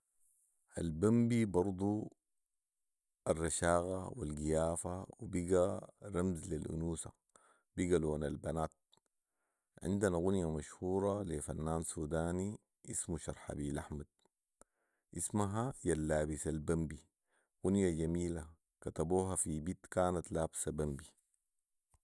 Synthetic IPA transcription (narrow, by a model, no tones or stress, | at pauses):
ʔa̰lbambibɑɾˤd̪ˤu | arːɑʃaːɣa̰wḭlɡijaːfawibiɡaɾamzlilʔṵnuːsa̰ | b̥iɡaloːnalbanaːt̪̚ | ʕḭnd̪anaɣunjamaʃhuːɾˤɑlefanːaːnsuːd̪aːni | ʔismuʃɑɾˤħa̰biːlʔaħmad̪̥̚ | ʔismaɦajalːaːbisalbambi | ɣunjaɟamiːla | kat̪abuːɦafibiːt̪kaːnat̪laːbsabambi